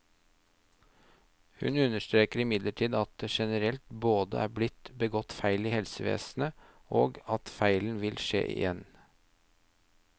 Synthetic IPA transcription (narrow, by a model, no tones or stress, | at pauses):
hʉ̰nʉnəʃt̪ɾeːkəɾɪmɪd̪ləʈʰiːd̪ɑt̪̚d̪eːʃɛnəɾɛlt̪boːd̪əʔæːblɪt̪bəɡɔt̪fæɪliːhɛlsəʋḛːsnə | ʔo̰ːɡɑt̪fæɪln̩ʋɪlʃḛːʔɪ̰jɛn